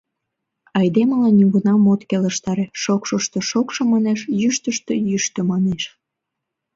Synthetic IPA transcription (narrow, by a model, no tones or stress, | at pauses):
ɑjd̪eməlɑnyβunɑmot̪keləʃt̪ɑɾeʃokʃoʃt̪oʃokʃomɑneʃjyʃt̪əʃt̪øjyʃt̪ømɑneʃ